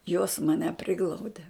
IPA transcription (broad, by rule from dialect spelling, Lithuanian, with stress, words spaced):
joːs mɐˈnʲɛ ˈpʲrʲɪɡlˠɐʊdʲɛ